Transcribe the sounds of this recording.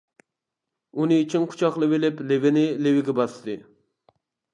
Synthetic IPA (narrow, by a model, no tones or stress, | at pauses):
unɨit͡ʃʰinqʰʊ̥t͡ʃʰɑχlˠɨvɪlɪplɪvɪnɪlewɪɡʲɛbɑsɨd̪ɨ